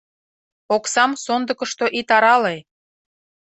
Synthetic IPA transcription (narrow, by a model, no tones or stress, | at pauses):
oksɑmsond̪əkə̆ʃt̪oʔit̪ɑɾɑle